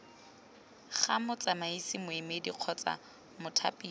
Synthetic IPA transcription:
χamʊt͡ɬamaisɪmʊɪmediq͡χʰɔt͡sa̰ | mʊtʰa̰pʼiː

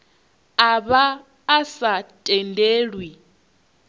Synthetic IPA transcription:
aβaː | satʼɛndeːɺwi

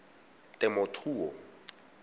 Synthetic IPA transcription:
tʼɛmɔtʰuːɔ

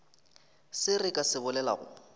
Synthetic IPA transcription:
sɪrɪkʼasɪbʊlɛla̰ɣʊ̰

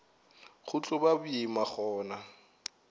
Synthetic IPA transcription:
χʊt͡ɬʼʊbabʊimaχɔːna

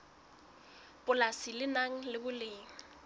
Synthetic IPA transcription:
pʼʊlasilɪnaŋ̩lɪbʊleːŋ̩

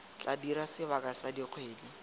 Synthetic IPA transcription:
t͡ɬadiɾasɪbakasadiq͡χʰweːdi

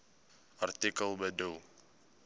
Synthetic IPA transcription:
art̪ikəlˠbədul

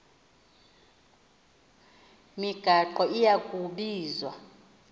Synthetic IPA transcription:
miɡ̥ʱaǃɔijakʼuɓiːzwa̰

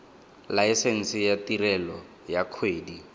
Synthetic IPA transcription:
lajsɛn̩sijatirɛlɔ | jakʰweːdi

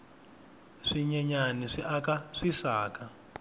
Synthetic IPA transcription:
ʂiɲɛɲaniʂiʔakaʂisaːka

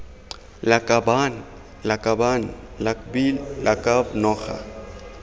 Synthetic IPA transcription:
lakʼaban | lakʼabanlabilakʼabnɔːxa̰

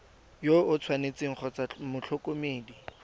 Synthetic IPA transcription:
joʊt͡sʰwanet͡sɪŋ̩χʰɔt͡samʊt͡ɬʰɔkʼomeːdi

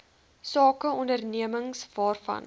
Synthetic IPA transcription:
sɑːkəɔndərniəməŋsvɑːrfɐ̰n

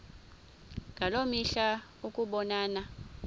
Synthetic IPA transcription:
ŋʱalomiɬa | ukʼuɓɔnaːna

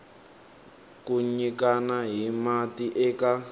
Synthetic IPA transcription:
kuɲikanaɦimatiʔɛːka

